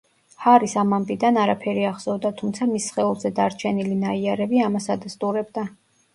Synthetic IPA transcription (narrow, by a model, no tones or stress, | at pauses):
haɾisamampʼid̪anaɾapʰɛɾiaχsɔvd̪at̪ʰumt̪sʰamisχɛulˠzɛd̪aɾt͡ʃʰɛnilinaiaɾɛbiamasad̪ast̪ʼuɾɛb̚d̪a